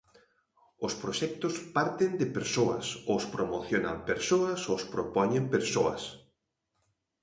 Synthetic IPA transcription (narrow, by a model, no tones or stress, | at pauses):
ʊspɾoʃɛk̚t̪ʊspaɾt̪end̪ɪpeɾsoɐ̰sospɾomoθjona̰mpeɾsoɐsospɾopɔɲempeɾsoɐ̰s